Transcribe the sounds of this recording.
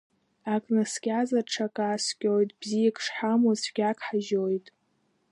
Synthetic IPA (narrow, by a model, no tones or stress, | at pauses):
akʼnasɡʲazaʈ͡ʂʰakʼaːskʲʼojtʼb̥zijakʰʼʂħamosɡ̥ʲakʰʼħaʒojtʼ